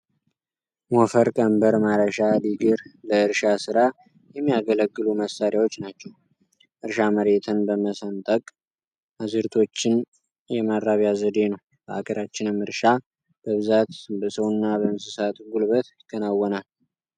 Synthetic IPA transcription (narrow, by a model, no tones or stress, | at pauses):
mofəɾkʼəmbəɾmaɾəʃaliɡɨɾləɨɾʃasɨɾa | jɛmːijaɡələɡːɨluməsːaɾjawo̞t͡ʃːnat͡ʃːɛw | ʔɨɾʃaməɾe̞t̪ʰɨnbəməsənt̪ʼəkʼ | ʔazɨɾt̪ʰo̞t͡ʃːɪn | jɛmadɾaβjazəd̪e̞nəw | bəʔakʰʼəɾat͡ʃːɪnɨmɨɾʃa | b̥əβɨzat̪bəsəwnːabəɨnsɨsat̪ɡulβət̪ | kʰənawːɔnal